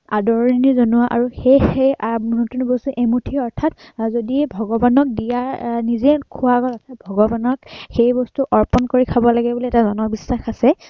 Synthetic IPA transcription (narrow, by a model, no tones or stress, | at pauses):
adɔɹinizonuwaʔa̰ɹuxej | nutunbɔstuʔemutʰiɔɹtʰatzodiɛbʱɔɡɔbanɔk̚dijaɹnizɛkʰuwaɡɔlatʰabʱɔɡɔbanɔkxejbɔstuʔɔɹpɔnkoɹikʰabɔlaɡɛbuliɛtazɔnɔbisɹaxasɛ